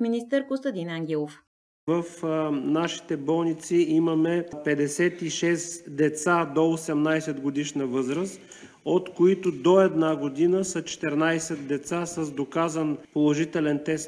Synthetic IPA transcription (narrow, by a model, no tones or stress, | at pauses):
minist̪əɾkost̪əd̪inaŋɡʲɛlˠof | vəfnaʃi̥t̪ɛbɔlˠnit̪siiməmɛpɛd̪ɛsɛt̪iʃɛsd̪ɛt̪sad̪oːsɛmnajsɛt̪ɡod̪iʃnəvɤzɾəs | ot̪koit̪ʊd̪oɛd̪naɡod̪inəsət͡ʃɛ̥t̪ɛɾnajsɛt̪̚d̪ɛt̪sasəzd̪okazənpolˠoʒit̪ɛlɛnt̪ɛst̪